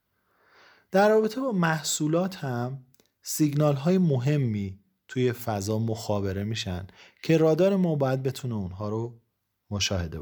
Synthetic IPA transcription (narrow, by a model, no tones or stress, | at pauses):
d̪̥æɾrɒːbe̞t̪ʰebɒːmæhsuːlɒːt̪ʰhæm | siɡnɒːlɦɒːjemoɦe̞mːiː | t̪ʰuːje̞fæzɒːmoxɒːbe̞ɾe̞miːʃæncʰe̞ɾɒːd̪ɒːɾe̞mɒːbɒːjæd̪̚be̞t̪ʰuneunɦɒːɾo | moʃɒːhe̞d̪ḛ